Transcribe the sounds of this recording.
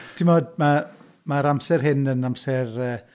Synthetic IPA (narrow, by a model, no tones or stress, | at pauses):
d̥ʰimɔdma | maɾamsɛrɦɪnənamsɛrəː